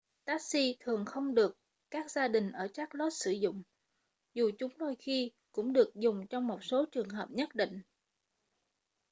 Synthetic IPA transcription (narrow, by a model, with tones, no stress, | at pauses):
t̪aː˦˥k̚si˧t̪ʰɨ˨˩əŋxə˧wŋ͡mɗɨ˨˩əkː | aː˦˥k̚zaː˧ɗï˨˩ŋ̟ʔəː˧˩t͡ɕaː˦˥k̚lɔ˦˥t̚sɨ˧˩zʊ̰˧˨ŋ͡m | zu˨˩t͡ɕʊ˨˦ŋ͡mɗ̪o˧jxi˧ | kʊ̰˧˥ŋ͡mɗɨ˨˩ək̚zʊ˨˩ŋ͡mt͡ɕɔ˧wŋ͡mmo˨˩t̚so˨˦t͡ɕɨ˨˩əŋɦəː˨˩p̚ɲə˦˥t̚ɗḭ˧˨ŋ̟